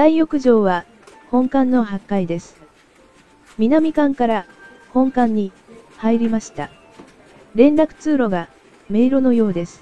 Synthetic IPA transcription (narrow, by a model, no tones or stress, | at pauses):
d̪aijokɯ̟ʑo̞ːβa | hõ̞ŋkãnːo̞ɦakːaid̪e̞sɨ̥ | mʲinamʲikãŋkaɾa | hõ̞ŋkãɲ̟ːi | haiɾʲimaɕi̥t̪a | ɾẽ̞nɾakɯ̟̥t͡sɨːɾo̞ɡa | me̞iɾono̞jo̞ːd̪e̞sɨ̥